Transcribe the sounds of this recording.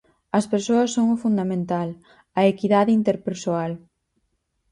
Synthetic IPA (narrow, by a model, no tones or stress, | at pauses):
ɐspeɾsoɐsːoŋʊfund̪amẽnt̪al | ɐekiðaðɪint̪eɾpeɾsoal